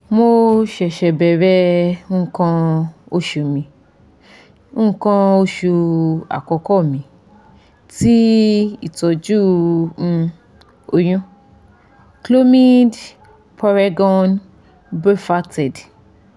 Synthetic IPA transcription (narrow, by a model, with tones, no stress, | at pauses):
mo˧ʃɛ˨ʃɛ˨bɛ˨ɾɛ˦ũ˦kã˧o˦ʃu˧mĩ˧˦ | kã˧o˦ʃu˧a̰˨kɔ˧kɔ˦˨mĩ˧ | ti˦ḭ˦˨tɔ˧d͡ʒũ˦˧ | o˧j̃ũ˦ | klo˦mi˦d | pa˧ɾa˧ɡɔ̃˧n | be˦fa˦tɛ˨d